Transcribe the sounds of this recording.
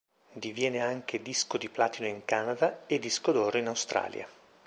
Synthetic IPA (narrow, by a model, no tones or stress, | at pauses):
d̪ivjɛːneaŋk̟ʰed̪iskod̪iplaːt̪inoiŋkaːnad̪aed̪ːiskod̪oːɾeinawst̪ɾa̰ːlja̰